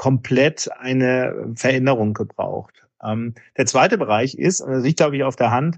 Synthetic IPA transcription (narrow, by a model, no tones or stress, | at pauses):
kʰɔmpʰlɛtaɪnəfɛɐʔɛnəʁ̞ʊŋɡ̥əbʁa̰ʊxt | ʔɛmd̥eːɐt͡sv̥aɪtəbəʁ̞aɪçɪ̰stːzɪt̚ɡ̥laʊbəɪçaʊfd̥eːɐɦant